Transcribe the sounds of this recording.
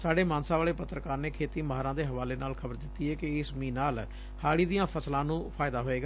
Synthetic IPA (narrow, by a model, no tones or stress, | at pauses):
saːɖeːmãːnsaːʋaːɭeːpət̪ːɾəkaːɾneːkʰeːt̪iːməɦaːɾãːd̪eːɦəʋaːleːnaːlkʰəbəɾd̪ɪt̪ːiːɛːkɪɪsmĩːnaːl | haːɽiːd̪ijãːpʰəslãːnũːpʰaːɪd̪aːɦoːeːɡaː